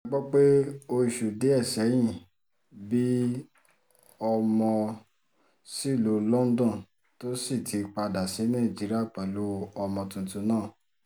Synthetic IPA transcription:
ɡ͡bɔ˦k͡pe˦o˧i˨ʃu˨de˨˦ɛ˦˨sɛ˨˦j̃ĩ˦˨ | bi˦ | ɔ˧mɔ̃˧ | si˦˨lo˨˦lɔ˦n̩˦dɔ̃˦˨ | to˦si˦˨tʰi˨˦k͡pa˧da˨si˨˦nã˦˨d͡ʒi˨˦ɾi˦a˦˨k͡pɛ˨lu˨˦ɔ˧mɔ̃˧tũ˧˨tũ˧nãː˦˨

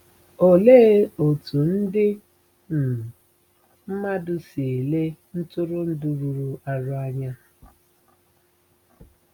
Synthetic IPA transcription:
o˨leː˦o˨tu˨n̩˦dɪ˦ | n̩˨ | m̩˦ma˦dʊ˨se˨le˦n̩˦tʊ˦ɾʊ˦n̩˦du˨ɾu˨ɾu˨a˨ɾʊ˦a˦ɲa˦

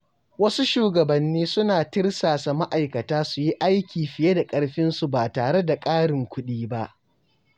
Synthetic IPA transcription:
wɐ˦su˦ʃuː˨ɡɐ˨bɐ˨nːiː˦sʊ˦naː˨tɪ˦rsaː˨sa˨ma˦ʔa˨jkɐ˨taː˦su˨ji˦ʔa˦jkʲiː˨ɸɪ˨je˦da˨kʼɐ˦ɽɸɪ˦nsu˨baː˨taː˨ɽe˦da˨kʼaː˦ɽɪ˨ŋkʷʊ˦ɗiː˦ba˦ʔ

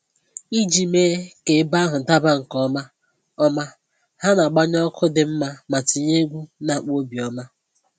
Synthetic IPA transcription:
i˦d͡ʒi˨meː˦ke˨˦ɪ˦ba˦ɦʊ˨n̩˨ta˦ba˦ŋ̩˨kɔ˦ma˦ | ɔ˦ma˦ | ha˦na˨ɡ͡ba˦ɲ˦ɔ˦kʰʊ˦dɪ˨m̩˦ma˦ma˨ti˨ɲe˦ɡʷu˦na˨k͡po˦bi˨ɔ˦ma˦

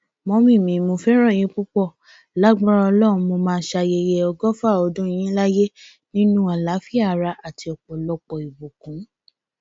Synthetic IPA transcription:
mɔ̃˧mĩ˦˨mĩ˨˦mo˧fɛ˦ɾ̃ã˦˨j̃ĩ˨˦k͡pu˦k͡pɔ˦˨ | la˨˦ɡ͡ba˦ɾa˧ɔ˧lɔ˦˨ũ˧mo˧mãː˦˧˦ʃa˧je˧je˧ɔ˧ɡɔ˦fa˦˨ɔ˧dũ˦ĩ˦j̃ĩ˦la˦je˦ | nĩ˦nũ˦a˨la˨˦fi˦a˦˨ɾa˧a˨ti˧ɔ˨k͡pɔ˨lɔ˧k͡pɔ˨i˨bo˨kũ˨˦

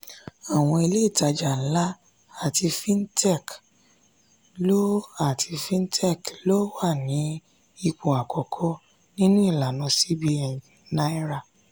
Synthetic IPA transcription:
a˨w̃ɔ̃˧i˧le˦i˦˨ta˧d͡ʒa˨n̩˦la˦ | a˦˨ti˧fĩ˦n˦tʰɛ˦˨k | lo˦a˦˨tʰi˧fĩ˦n˦tʰɛ˦˨klo˦wa˦˨nĩ˨˦ | i˧k͡po˨a˨kʰɔ˨kʰɔ˦ | nĩ˦nũ˦i˦˨la˨nɔ̃˨˧si˦bi˧ɛ˨ĩ˨ | nã˦i˦ɾa˦˨

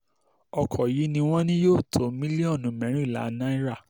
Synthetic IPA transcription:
ɔ˧kʰɔ˨ji˨˦nĩ˧w̃ɔ̃˦nĩ˦joː˦˨tʰo˨˦mĩ˦li˦ɔ̃˦˨nũ˨˦mɛ̃˨˦ɾ̃ĩ˦˨la̰˨˦nã˦i˦ɾa˦˨

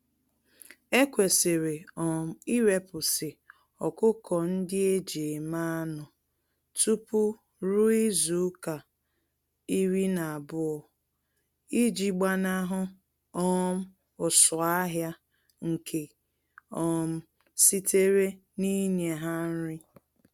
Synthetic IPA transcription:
e˦kʷe˨se˨ɾe˨ɔ˨m̩˨i˦ɾe˨pʊ˨sɪ˨ | ɔ˨kʊ˦kʰɔ˨n̩˦dɪ˦e˦d͡ʒe˨e˨ma˦nʊ˨ | tu˦pʊ˦ | ɾu˦i˦zu˨˦ka˨ | i˦ɾi˦na˨a˨bʊ˦ɔ˨ | i˦d͡ʒi˨ɡ͡ba˦na˦ɦʊ˦ | ɔ˦m̩˦ | ʊ˨sʊ˨a˦ɦja˦ | ŋ̩˨kʰe˨ | ɔ˨m̩˦ | si˦te˦ɾe˦ | ni˦ɲe˨ɦa˦ɾɪ˦

